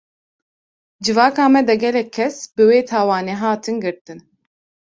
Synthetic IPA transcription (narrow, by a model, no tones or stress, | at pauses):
d͡ʒɨvɑːkaːmɛd̪ɛɡɛlɛkʰːɛsbɨweːt̪ʰaːwɑːneɦaːt̪ʰɨnɡɨɾt̪ɨn